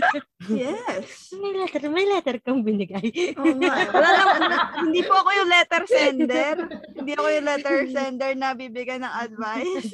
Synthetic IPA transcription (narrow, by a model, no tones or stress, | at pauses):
jɛsmɐjlɛːt̪ɛɾmɐjlɛt̪ɛɾkɐŋbɪnɪɡajʔolaːlɐmɐhɪnd̪iːpoɐko̞jʊŋlɛt̪ɛɾsɛnd̪ɛɾhɪnd̪iːʔɐkojʊŋlɛt̪ɛɹsɛnd̪ɛɹnɐbibɪɡajnɐŋɐd̪̚vajs